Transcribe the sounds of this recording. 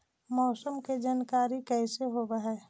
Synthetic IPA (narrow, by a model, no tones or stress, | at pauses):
mɔːsəmked͡ʒaːnkaːɾikɛːseɦoːbaɦɛː